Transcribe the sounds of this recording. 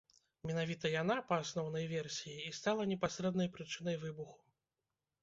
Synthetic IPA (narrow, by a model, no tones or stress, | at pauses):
mʲɛnavʲit̪ɐjan̪apɐːsnɔwn̪ɐjvʲɛrsʲijiːst̪alˠɐnʲɛpasʲɾɛd̪nɐjpɾɨt͡ʂɨn̪ɐjvɨbuxu̥